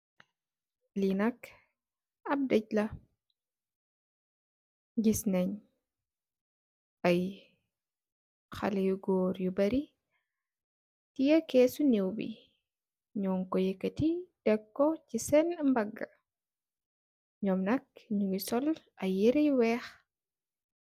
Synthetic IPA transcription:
linɐk | ɐb̚dɛɟ̚lɐ | ɟisnɛɲ | ɐj | xɐ̰lɛjuɡɔːɾjubɐɾi | tijɐkɛːsunɛwbḭ | ɲɔːŋkɔjɛkɐtid̥ɛkːɔcisɛnmbɐɡːɐ | ɲɔmnɐk̚ɲuɡisɔlʔɐjiɾɐjwɛːx

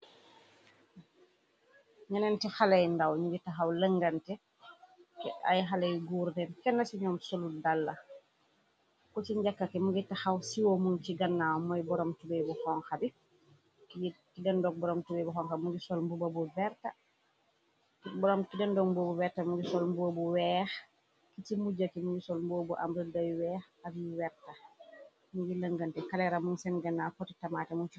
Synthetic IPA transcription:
ɲɐnɛntɛxalɛjndawɲuɡitaxawləŋɡɐntɛ | kɛa̰jxalɛjɡuːɾdɛnkɛnːɐsiɲɔːmsoludalːɐ | kɔciɲɟakːakɛmuɡitaxawsiwomunt͡ʃiɡɐnːawmɔjbɔɾɔmtubɛjbuxɔŋxabi | kikidandɔɡ̚bɔɾɔmtubejbuxɔŋxabmuɡisɔlmbubabuvɛɾta | ibɔɾɔmkidandɔɡmbobuvɛɾtamuɡisɔlmbuobuwɛːx | kitimud͡ʒakimuɡisɔlmbuobuʔa̰mbɾədajwɛːx | abiwɛɾta | muɡiləŋɡəntɛkalɛɾamuŋsɛnɡanːakɔtitamaːtɛmuni

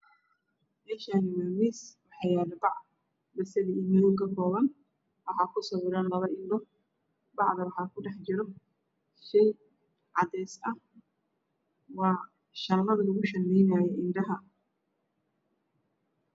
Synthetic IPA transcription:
mɛːʃaːnɪwaːmiːswɑħɑjaːlɐbɑʕ | bɐsɐðiɪnɪjɔkʰɐkʰɔːβɐn | wɑħɑːkʰʊsɐwʊɾaːnlɐβɐʔɪndɔ | bɑʕd̪ɐwɑħɑːkʊɖɛħd͡ʒɪɾɔ | ʃɛj | ʕɑd̪ɛːsɐ | wɑː | ʃɐlɐðɐlʊɣʊʃɐnːɛjnaːjɛʔɪnɖɐɦɐ

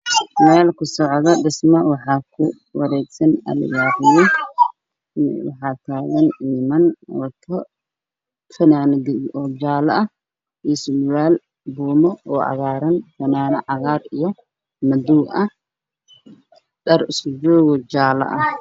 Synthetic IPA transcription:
mɛːlkʰʊsɔʕðɐɖɪsmɐwɑħɑːkʰʊ | wɑɾɛːɡsɐnɐ̰l̰jaːɾɪjɐ | wɑ̰ħɑːt̪ʰaːɣɐniːmɐnɔt̪ʰɔ | fɐnaːnɡɪʔɔːd͡ʒaːlɐɐh | islwaːl | buːmɔɔːʔɐ̰ɣaːɾɐnfɐnaːnɐʕɑɣaːɾijɔ | mɐd̪uːʔɐ | ɗɐrɪsʊd͡ʒɔːɣɔd͡ʒaːlɐ̰ʔɐh

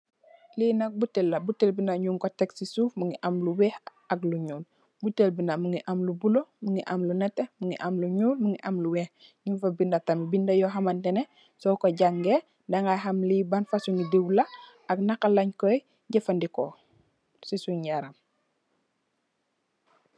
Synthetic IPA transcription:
linɐk̚butelːɐbutelbinaɲuŋkotɛksisuːfmuŋiʔamluwɛh | ɐkluɲuːl | butelbinamuŋiʔamlubulomuŋiʔɐmlunɛtːemuŋiʔamluɲuːlmuŋiʔɐmluwɛːhɲunfɐbindɐtamibindɐjɔɦamantɛne | sɔkoɟaŋɡe | daŋaɦamlibanfasuŋidiwlɐ | ɐknakalaɲkɔj | ɟɛfandikɔ | sisuɲjaɾam

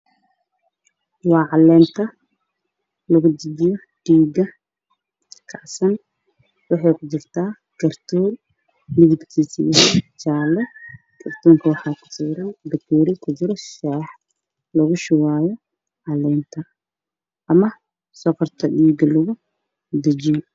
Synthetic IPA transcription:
wɑːʕɑlɛːnt̪ʰɐ | lɐɣʊd̪ɪdɪjɔ | ɖ̥iːɡɐ | kʰɑʕsɐn | wɑħɑjkʰʊt͡ʃɪrt̪ʰaː | ɡɐrt̪ʰuːr | lɪɣɪbt̪ʰiːsḭt͡ʃaːlɛ | ɡ̥ʰɐrt̪ʰuːŋkʰɐwɑħɑːkʰʊ̥siːɾɐnd̪ɐkʰuːɾɪkʰʊd͡ʒɪɾɔʃɛːħ | lɐɣʊʃɪwaːjɔ | ʕɑlɛːnt̪ʰɐ | ʔɐmɐ | sɔkʰɐrt̪ʰɐɗiːɡɐlɐɣʊ | d̪ɐd͡ʒi

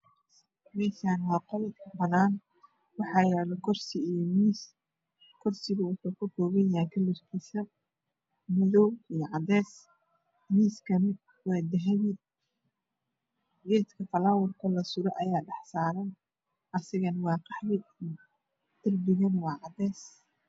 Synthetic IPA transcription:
mɛːʃaːnwɑːqɔlɛd̪kʰɐbɐnaːn | wɑħɑːjɛːlɔkʰɔrsɪijmiːs | kʰɔrsɪɣʊʊħɐkʰʊkɔːɣɛjaːkʰɐlʊrkʰiːsɐ | mɪðɔwijɐʕɑd̪ɛːs | miːskʰɐn | wɑːd̪ɐɦɐβɪd̪̚ | ɡɛːt̪kʰɐfɐlaːwʊrkʰɐlɐsʊɾɔʔɐjaːɖɑħsaːɾɐn | ʔɐsɪɣɐnwɑːqɑħmɪd̪ | d̪̥ɪrbɪɣɐnwɑːʕɑd̪ɛːs

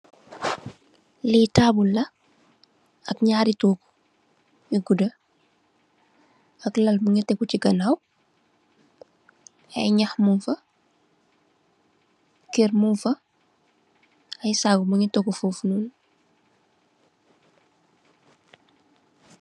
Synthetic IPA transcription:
lɛtaːbulːɐ | ɐkɲaːɾitoːku̥ | iɡudə | ɐklɐlmuɲɐtɛkuciɡɐnaw | ɐjɲɐxmunfɐ | kermunfɐ | ɐjsaːɡumuɲɐtɔɡufufnuːn

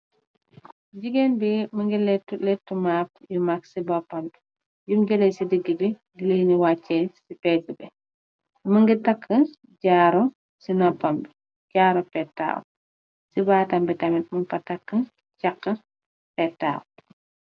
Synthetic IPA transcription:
ɟiɡenbimɐŋɡilɛtlɛtːumaːp̚jumaksibapambi̥ | jumɟɐlesidəɡːibi | ɡileniwat͡ʃːɛsipɛːt̚ːibɛ | mɐŋɡitɐkʰːə | ɟaːɾɔ | sinɔpambi | ɟaːɾɔpɛtːa̰ːw̰ | sibaːtɐmbitɐmit̚munpɐtɐkːə | cakːɐ | pɛtːa̰ːw

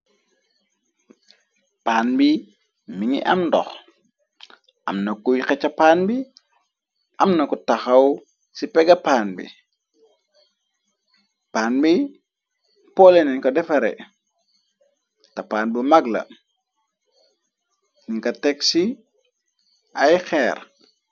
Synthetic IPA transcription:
paːnbi | miŋḭʔɐ̰mndɔ̰x | ʔɐ̰mnɐkujxɛt͡ʃːɐpaːnbi | ʔɐmnɐkutaxɐw | sipɛɡɐpaːnbḭ | paːnbi | pɔlɛnɛŋkɐdɛfɐɾɛ̰ | tɐpaːnbimaɡlɐ̰ | niŋkɐtɛksi | ɐjxɛːɾ

